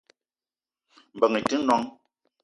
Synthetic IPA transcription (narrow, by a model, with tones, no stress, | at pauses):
m̩˨bə˨ŋi˨tɨ˦nɔ˦ŋ